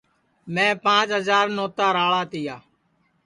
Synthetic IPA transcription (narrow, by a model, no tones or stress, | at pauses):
mɛ̃ːpãːt͡ʃɦəzaːɾnoːt̪aːɾaːɭaːt̪ɪjaː